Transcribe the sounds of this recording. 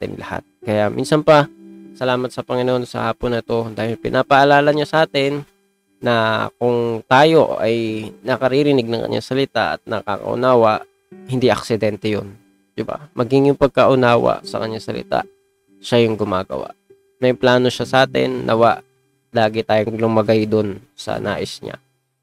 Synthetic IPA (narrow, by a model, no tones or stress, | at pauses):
t̪ɪ̰nlɐha̰t̪̚kɐjaʔmḭnsɐnpɐsɐlaːmɐt̪̚sɐpɐŋɪnoʔonsɐ̰haːponːɐt̪o̞d̪aːhɪlpɪnʔapɐʔɐlaːlɐɲasɐʔaːt̪ɪnː | ɐkʊŋt̪aːjo̞ɐ̰jnɐkɐɾiɾɪnɪɡ̚nɐŋkɐ̰ɲʔa̰ŋsɐlɪt̪a̰ʔɐ̰t̪̚nɐka̰kɐ̰ʔʊ̰naːwɐʔ | hɪnd̪iʔɐk̚sɪd̪ɛnt̪ɛjo̰n | d̪̥ɪba̰mʔɐɡɪŋjʊŋpɐɡ̚kɐʔʊnaːwa̰ʔsɐ̰kɐɲasɐlɪ̰t̪a̰ʔ | ʃajʊŋɡʊmaːɡɐ̰wa̰ʔ | mɐjplaːno̞ʃasɐʔaːt̪ɪ̰nːʔɐwaʔ | laːɡɪt̪aːjoŋlʊmɐɡajd̪onsɐ̰na̰ːʔɪsɲa̰